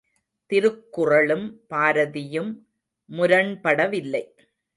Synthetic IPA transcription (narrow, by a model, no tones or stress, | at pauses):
t̪ɪɾɯkːʊrɐɭɯmpaːɾɐðɪjɯmː | ʊɾɐɳpɐɽɐʋɪlːɐɪ